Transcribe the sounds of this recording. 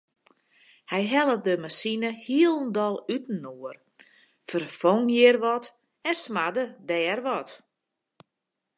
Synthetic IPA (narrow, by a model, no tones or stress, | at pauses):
hɛjɦɛlˠədəmasinəhiəlˠndɔlˠytn̩oər | fərfoŋjɪərʋɔt | ɛnsmadədɛːrʋɔt